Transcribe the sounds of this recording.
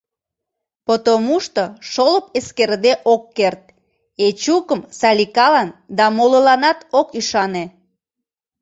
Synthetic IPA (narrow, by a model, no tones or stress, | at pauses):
pot̪omuʃt̪oʃoləpeskerd̪eʔokːert̪̚ | et͡ɕukəmsɑlʲikɑlɑnd̪ɑmololɑnɑt̪okyʃɑne